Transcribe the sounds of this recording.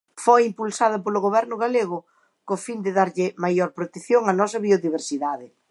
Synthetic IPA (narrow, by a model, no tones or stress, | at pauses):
fojimpulsað̞ɐpolʊɣoβɛɾnʊɣaleɣʊ | kofind̪ɪðaɾʎɪmajɔɾpɾot̪eθjoŋanɔsɐβioðiβ̞eɾsiðaðɪ